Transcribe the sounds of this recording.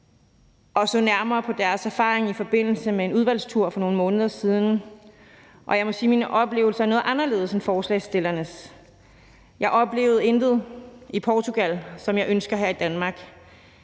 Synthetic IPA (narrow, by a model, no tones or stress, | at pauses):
ʔɒ̽sɔnæɐmɐːpʰɒ̽d̥æɐsæɐfɑ̰̈ːʁeŋifɒ̽b̥e̝n̰l̩səmee̝nuðˠʋæl̰st͡sʰuɐ̰fɒ̽no̝ːn̩mɔ̽ːnəð̞ˠɐsiːð̞ˠn̩ | ʔɒ̽jɑ̈ɪmɒ̽siːminʔɒ̽b̥le̝ːʊl̩sɐæɐno̽ːð̩ˠʔɑ̈nɐle̝ːð̩ˠsɒmfɒːslɛ̰ɪsd̥e̝lɐnəs | jɑ̈ɪʔɒ̽b̥le̝ːʊð̞̩ˠe̝nd̥ð̞̩ˠipʰɒːt͡sʰuɡ̥ælsɒ̽mjɑ̈ɪʔønsɡ̥ɐɦæɐ̰id̥ænmɑ̈ːɡ̥